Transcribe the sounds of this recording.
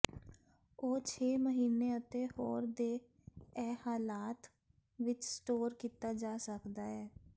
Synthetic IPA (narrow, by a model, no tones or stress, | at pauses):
oːt͡ʃʰeːməɦiːneːət̪eːhoːɾd̪eː | ɛːhaːlaːt̪ | ʋɪt͡ʃsʈoːɾkiːt̪aːd͡ʒaːsəkd̪aːɛː